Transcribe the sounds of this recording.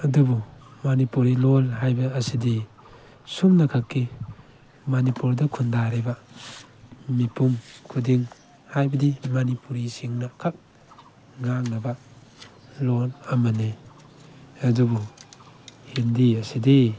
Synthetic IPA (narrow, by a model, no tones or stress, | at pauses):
adubumanipuɾilolɦajbɐːside | sumnakʰakːi | manipuɾdɐkʰundaɾeba | mipʰumkʰudiŋ | hajbɐdimanipuɾisiŋnakʰak̚ | ŋaŋnaba | lolamane | adubu | hindiaside